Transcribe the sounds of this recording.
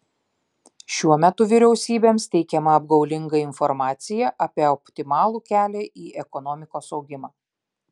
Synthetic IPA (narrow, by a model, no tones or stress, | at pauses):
ʃʲuɔmʲɛt̪ʊʋʲɪɾʲɛʊsʲiːbʲeːmst̪ʲɛɪkʲɛmɐɐb̚ɡɐʊlʲɪŋɡɐɪnfɔɾmɑːt̪sʲɪjɛʔɐpʲiɛɔpʲt̪ʲɪmɑːlˠuːkʲæːlʲɛʔiːʔɛkɔnɔːmʲɪkoːsɒʊɡʲɪmɑː